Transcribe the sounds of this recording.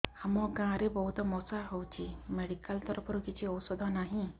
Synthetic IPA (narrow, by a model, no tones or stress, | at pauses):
hamɔɡãɾebɔɦut̪ɔmɔsaɦɔwt͡ɕimeɽikəlt̪ɔɾpɾkit͡ɕiɔwsɔd̪ʱɔnaɦĩ